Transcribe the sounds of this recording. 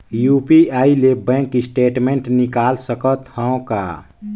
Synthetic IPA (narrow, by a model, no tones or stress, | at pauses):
jupiailebɛ̃ŋkːisʈeːʈmẽɳʈnikalsəkət̪hə̃õka̰